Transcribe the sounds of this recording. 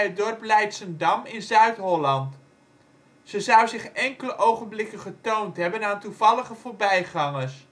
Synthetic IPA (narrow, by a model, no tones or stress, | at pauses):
ɦədɔrplɛjtsəndɑmɪnzœɥtɦɔlɑnt | z̥əzʌwzɪχɛŋkələʔowχənblɪkənχətowntɦɛbənaːntuv̥ɑləχəvoːɹbɛjχɑŋəs